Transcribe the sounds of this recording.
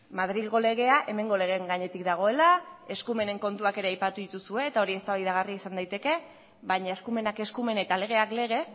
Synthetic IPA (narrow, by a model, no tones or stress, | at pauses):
mað̞ɾilɣo̞le̞ɣ̞e̞aʔe̞me̞ŋɡo̞le̞ɣ̞e̞ŋɡaɲe̞t̪ik̚d̪aɣ̞o̞e̞lae̞skume̞ne̞ŋko̞nt̪uake̞ɾe̞ajpat̪uðit̪usue̞ːt̪ao̞ɾiest̪aβajðaɣ̞ariaisand̪ajt̪e̞ke̞ | βajɲaeskume̞nake̞skume̞net̪ale̞ɣ̞e̞akle̞ɣ̞e̞